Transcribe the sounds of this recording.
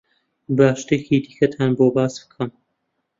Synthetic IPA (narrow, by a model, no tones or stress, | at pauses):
baːʃt̪ekʰiːd̪iːkʰɐt̪ʰaːnboːbaːsb̥ɨ̥kʰɐm